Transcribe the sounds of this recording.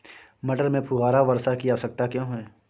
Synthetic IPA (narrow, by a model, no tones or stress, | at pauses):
mɐɖəɾmẽpʰuɣaːɾaʋɐɾsakijasɐk̚t̪akjõːɦɛː